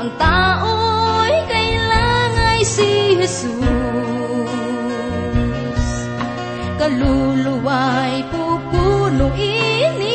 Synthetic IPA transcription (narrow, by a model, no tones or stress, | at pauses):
ŋt̪aʔojkɐjlaŋajsihɛsu | s | kɐlulʊwajpupunʊŋʔini